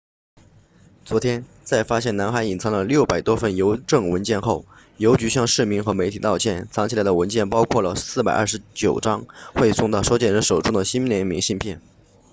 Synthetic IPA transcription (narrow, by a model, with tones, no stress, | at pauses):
t͡swɔ˧˥t̪ʰjɛ˥n | t͡sa˥˩ɪfa˥ɕjɛ˥˩na˧˥nxa˧˥ni˨˩nt͡sʰɑ˧˥ŋd̪ə˧ljo˥˩ʊpa˨˩ɪt̪wɔ˥fə˥˩njo˧˥ʊʈ͡ʂɤ˥˩ŋwə˧˥nt͡ɕjɛ˥˧nxo˥˩ʊ | jo˧˥ʊt͡ɕy˧˥ɕjɑ˥˧ŋʂɻ̩˥˩mi˧˥ŋxɤ˧˥me˧˥ɪt̪ʰi˨˩t̪ɑ˥˧ʊt͡ɕʰjɛ˥˩nt͡sʰɑ˧˥ŋt͡ɕʰi˨˩la˧˥ɪd̪ə˧wə˧˥nt͡ɕjɛ˥˩npɑ˥ʊkʰwɔ˥˩lə˩sɹ̩˥˩pa˨˩ɪʔɐ̰˥˩ʂɻ̩˧˥t͡ɕjo˨˩ʊʈ͡ʂɑ˥ŋxwe˥˧ɪsʊ˥˧ŋt̪ɑ˥˧ʊʂo˥t͡ɕjɛ˥˩nɻə˧˥nʂo˨˩ʊʈ͡ʂʊ˥ŋd̪ə˨ɕi˥nljɛ˧˥nmi˧˥ŋɕi˥˧npʰjɛ˥˩n